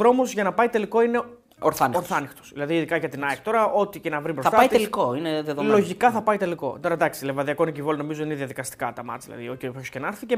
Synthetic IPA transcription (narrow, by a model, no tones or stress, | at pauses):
ɾo̞mozʝɐnɐpɐit̪e̞liko̞ine̞ | oɾθɐnoɾθɐnixt̪o̥sðilɐðiːðikɐʝɐt̪inɐikt̪o̞ɾɐʔo̞t̪ice̞nɐvɾibɾosɐt̪ɐit̪ielikoineðeðollo̞ʝikɐθɐpɐjt̪e̞liko̞̰t̪oɾɐd̪ɐksilevɐðiɐko̞nicivo̞lono̞mizoðineðiɐðikɐst̪i̥kɐt̪ɐmɐ̰t͡sðilɐ̰ðioççoscenɐɾθice